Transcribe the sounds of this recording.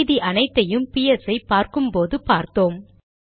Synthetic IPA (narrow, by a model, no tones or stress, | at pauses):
ðiʔɐnɐɪt̪ːɐjɯmpijɛsɐɪpːaːɾkɯmpoːðɯpaːɾt̪oːm